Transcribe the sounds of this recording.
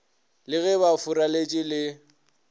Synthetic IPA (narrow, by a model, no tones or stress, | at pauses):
lɪɣɛβafʊɾalet͡ʃʼɪlɪ